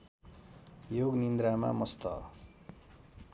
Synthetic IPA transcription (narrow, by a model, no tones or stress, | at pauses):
joɡnind̪ɾama̰mʌst̪ʌ̰